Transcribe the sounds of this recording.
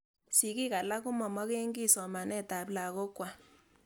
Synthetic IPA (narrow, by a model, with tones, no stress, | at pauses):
si˨ki˦ka˨la˦ku˦mɔ˨mɔ˦ke˦ŋɡi˦˨sɔ˨ma˨nɛ˦˨ta˨pla˨kɔ˦kwa˨